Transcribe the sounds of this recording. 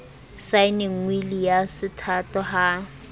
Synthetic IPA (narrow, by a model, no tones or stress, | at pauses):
saɪnɪŋ̩wilijasɪtʰatɔha